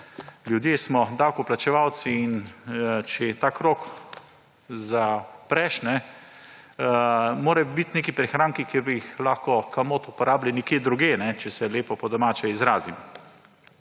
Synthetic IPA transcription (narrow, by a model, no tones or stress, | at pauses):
lʲjud̪jeːsmɔd̪awkɔplat͡ʃɛʋaw̪siːn | t͡ʃɛjɛt̪aːkɾoːk | zapɾɛʃnɛ | moːɾɛjbit̪neːkipɾɛxɾaːŋkikeɾbijixlaxkɔkamoːt̪upɔɾaːblinɛkjeːd̪ɾuɡeːnɛt͡ʃɛsɛleːpɔpɔd̪ɔmaːt͡ʃɛizɾaːzim